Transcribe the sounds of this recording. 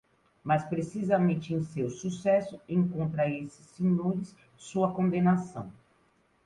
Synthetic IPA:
mɐspɾesizɐmẽnt͡ʃɪẽj̃sewsusɛsʊẽj̃kõnt̪ɾɐesɪ̥sĩnũɾɪs | suɐkõnd̪ẽnasɐ̰̃w̃

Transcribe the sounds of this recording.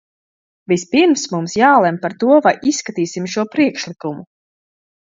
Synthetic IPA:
vispiɾmsmumsjaːlˠɛmpaɾt̪uɔvajʔisːkat̪iːsimʃuɔpɾiɛkʃlˠikumu

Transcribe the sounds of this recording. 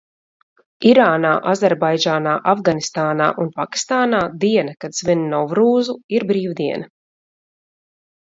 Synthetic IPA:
iɾaːnaːʔazʲɛɾbajd͡ʒaːnaːʔavɡanist̪aːna̰ːʔunpaki̥st̪aːnaːd̪iɛnakad̪z̥vinnɔwvɾuːzuiɾbɾiːwd̪iɛnɐ

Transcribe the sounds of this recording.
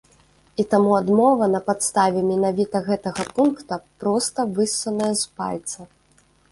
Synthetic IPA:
it̪amuad̪mɔvɐnɐpat̪st̪avʲɛmʲɛnavʲit̪ɐɣɛt̪ɐɣɐpunkt̪ɐpɾɔst̪ɐvɨsːɐnɐjɛspa̰lʲt̪sɐ

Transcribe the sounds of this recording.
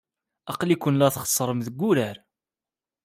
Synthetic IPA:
ɑqlikʷʊnlæθχə̥sˤːɾˤəmðəɡʷːuɾæɾ

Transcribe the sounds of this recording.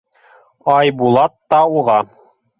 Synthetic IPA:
ɑjbulˠɑt̪ːɑuʁɑ

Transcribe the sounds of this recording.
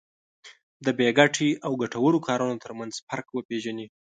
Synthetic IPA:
d̪əbeɡaʈiawɡaʈawəɽokʰɑɾunot̪əɾmanz̥paɾkwəpeʒani

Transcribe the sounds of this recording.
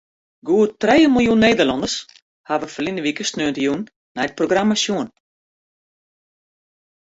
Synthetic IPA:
ɡuətrejəməlˠjunːejdərlɔndərs | haʋəfərlinəʋikəsnøəntəjunː | ɛjt̚proɡramasjuən

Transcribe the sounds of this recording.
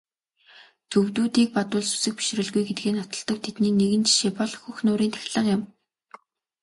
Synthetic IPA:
t͡sʰɵwt̪uːt̪iːk̚pat̪ʊːɮsu̥sɘ̆x̚pi̥ʃrɘ̆ɮɣujɡet̪̚ɡeːnɔt̪ɞ̆ɮt̪ɞ̆k̚t̪ʰet̪niːneɣɘ̆nt͡ɕʰi̥ʃeːpɔɮxuxnʊːɾiːnt̪ʰæ̥xʲɮə̆qjɪ̆m

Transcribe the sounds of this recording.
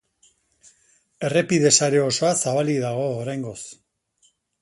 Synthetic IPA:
e̞re̞piðe̞saɾe̞o̞so̞asaβaliðaɣ̞o̞ːɾajŋɡo̞s

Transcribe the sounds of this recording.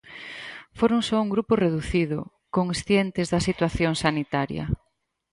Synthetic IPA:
foɾoŋsɔuŋɡɾupʊreðuθiðʊ̰ | koŋsθjent̪ɪzðɐsit̪waθjoŋsanit̪aɾjɐ̰

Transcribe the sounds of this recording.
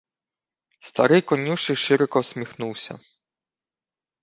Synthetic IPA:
st̪ɐɾɪjkɔnʲuʃɪʃɪɾɔkɔsʲmʲixnuwsʲɐ̰

